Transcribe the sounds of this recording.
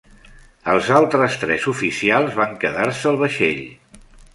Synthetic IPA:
əlˠzalˠt̪ɾəst̪ɾɛzufisialˠzβaŋkəðaɾsəːlˠβəʃḛʎ

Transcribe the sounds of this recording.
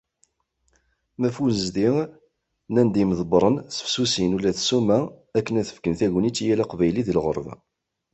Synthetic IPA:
mæfunəzd̪iʁ | nænd̪iməðəbɾˤənsə̥fsusinulːæθsumæækːənæθə̥fkənθæʝənit͡sːijælæqvæjliðəlʁə̰ɾˤv

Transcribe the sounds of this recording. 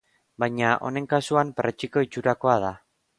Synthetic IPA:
bajɲaʔo̞̰ne̞ŋkasuamperet͡ʃiko̞it͡ʃuɾako̞að̞a

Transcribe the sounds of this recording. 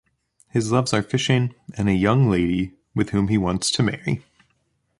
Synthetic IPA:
hɨzlʌvzə˞fɪʃɪ̃ŋɨ̃nɨjʌ̃ŋleɪɾi | wɨð̥hʉ̃miwɑ̃ntstʰɨmɛɹḭ

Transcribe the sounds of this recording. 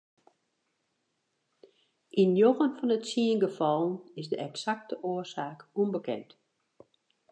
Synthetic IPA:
ʔinjoɣənfɔnətsiənɡəfɔlˠənɪsdəɛksak̚təʔoəsaːkunbəkɛ̰nt

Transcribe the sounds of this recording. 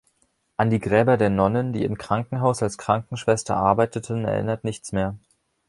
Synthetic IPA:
ʔandiːɡʁɛːbɐdeːɐnɔnəndḭːɪmkʁ̥aŋkŋ̩ɦaʊsalskʁ̥aŋkŋ̩ʃv̥ɛstɐ̰ʔaɐbaɪtətʰənɛ̰ɐʔɪ̰nɐtnɪçt͡smeːɐ

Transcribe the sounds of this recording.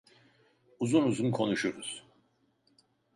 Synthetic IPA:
uzunuzunkʰo̞nuʃuɾuz̥

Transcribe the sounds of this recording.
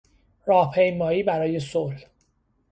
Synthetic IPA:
rɒːhpʰe̞jmɒːiːbæɾɒːje̞sol

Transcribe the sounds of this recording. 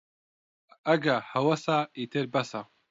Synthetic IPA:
ɐɡahɐwɐsaːit̪ʰeɾbɐsa

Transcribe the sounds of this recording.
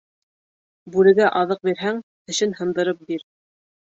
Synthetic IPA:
bʉlɘ̆ɡæʔɑðɤq̚biɾɦæŋt̪ɘ̆ʃɘnhɤ̆nd̪ɤ̆ɾɤp̚biɾ

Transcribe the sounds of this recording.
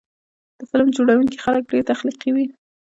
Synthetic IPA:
d̪̥əfɪlmd͡ʒoɽawuŋki̥xalək̚ɖeɾt̪axliqiwi

